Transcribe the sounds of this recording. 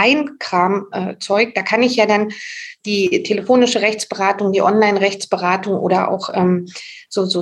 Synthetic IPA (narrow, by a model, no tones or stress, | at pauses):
aɪnkʁ̥aːmʔɛːt͡sɔʏk̚d̥aːkʰanɪçjaːdand̥iːtʰeləfoːnɪʃəʁɛçt͡sb̥əʁaːtʊŋdiːʔɔnlaɪnʁɛçt͡sb̥əʁaːtʊŋʔo̰ːdɐʔa̰ʊxʔɛːmz̥oːzoː